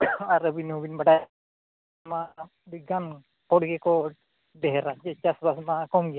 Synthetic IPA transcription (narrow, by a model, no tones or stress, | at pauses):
aɾəbinubinbaɖa | ma | biɡan | kɔɽɡekɔ | ɖɛɦɛɾad͡ʒɛt͡ʃasbasmakɔmɡija